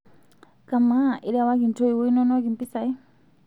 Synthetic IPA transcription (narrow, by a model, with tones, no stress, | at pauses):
ka˨ma˦ʔi˧ɾa˧wa˦k̬i˨nʈ͡ʂo˦i˧wi˦i˦no˦no˦ki˨mpi˦sa˧i˦